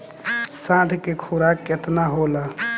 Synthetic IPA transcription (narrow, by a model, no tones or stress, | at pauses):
sãʈʰkekʰuɾaket̪naɦola